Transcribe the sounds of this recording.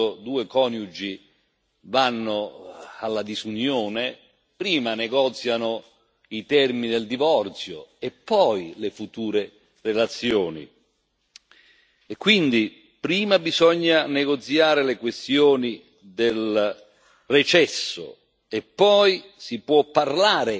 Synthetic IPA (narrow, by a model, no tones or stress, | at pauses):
ʊd̪uːekɔːnjud͡ʒi | vanːʊalːad̪izunjɔːne | pɾiːmanɛɡɔːt̪sjanʊ | it̪ɛrminid̪eld̪ivɔrt̪sjo̰epːɔjlefut̪uːɾe | relat̪sːjoːnḭ | ɛkːwind̪i | pɾiːmabizɔɲːanɛɡot̪sjaːɾɪlekwest̪jɔːni | d̪el | rɛt͡ʃɛsːʊ̰ | ɛpːɔjsipwɔpːarlaːɾɪ